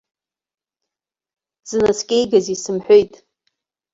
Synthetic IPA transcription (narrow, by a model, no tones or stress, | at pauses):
z̥ɨnaskʲʼejɡazisɨmħʷᶣojtʼ